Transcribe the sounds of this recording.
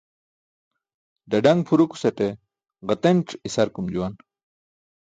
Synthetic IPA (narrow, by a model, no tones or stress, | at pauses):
ɖɐɖɐŋɡpʰuɾuku̥sɐʈe | ʁɐt̪enʈ͡ʂisɐɾkumd͡ʑuwan